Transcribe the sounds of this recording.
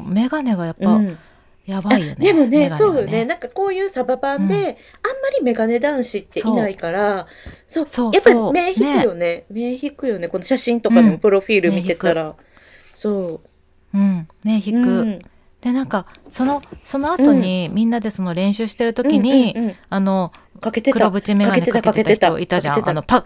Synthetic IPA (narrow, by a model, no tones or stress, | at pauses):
me̞ɡane̞ɡajapːa | jabaijo̞̰nd̪eemoneɡasoːe̞nãŋkako̞ːjɯ̟ːsababãnd̪e̞ | ãmːaɾʲime̞ɡane̞d̪ãɰ̃ɕit̪ːe̞oinaikaɾa | soːso̞ːjasːaɾiːme̞ːçniekɯjo̞ne̞me̞ːçikɯ̟jo̞ne̞ko̞no̞ɕaɕĩnt̪o̞kãpɯ̟ɾo̞ɸʲiːɾɯmiç̪e̞ktkɯaɾa | soː | ɯ̟̃ɴne̞çikɯ̟ | d̪̥e̞nãŋkaso̞no̞so̞no̞at̪o̞ɲ̟imʲĩnːad̪e̞so̞no̞ɾẽ̞ɰ̃ɕɨːɕi̥t̪e̞ɾɯ̟t̪o̞kʲiɲ̟ĩ̟ɴano̞ | kaket̪ekɯɾobɯ̟t͡ɕime̞kaɡaeneek̪akaket̪aet̪ao̰ʔit̪ad͡ʑã̰eʔ̪anopa